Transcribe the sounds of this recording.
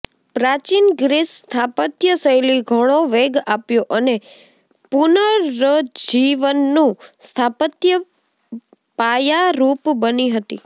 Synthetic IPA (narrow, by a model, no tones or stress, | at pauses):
pɾat͡ʃinɡɾisst̪ʰapət̪jəsəjliɡʱəɽ̃oʋeɡapjoʔəne | punəːəd͡ʒiʋənːũst̪ʰapət̪jə | pajaɾupbəniɦət̪i